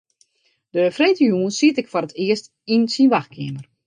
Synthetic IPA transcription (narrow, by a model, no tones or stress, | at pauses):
d̥əfreːtəjuːənsiətɪkfarətʰɪəst | insinʋaxkʰɪəmər